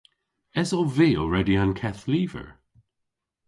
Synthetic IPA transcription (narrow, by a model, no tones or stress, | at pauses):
ɛsɔviːɔ̰lˠɹɛdiankʰɛθliːvə̰ɹ